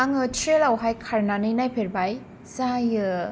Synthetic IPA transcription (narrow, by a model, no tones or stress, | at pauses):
aŋɯtʰɾelawɦajkʰaɾnanɯjnajpʰeɾbaj | zajɯ